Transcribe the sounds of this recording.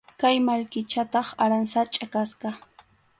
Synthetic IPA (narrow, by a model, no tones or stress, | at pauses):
kajmaʎkɪt͡ʃat̪ɑχaɾansat͡ʃʼakasqɑ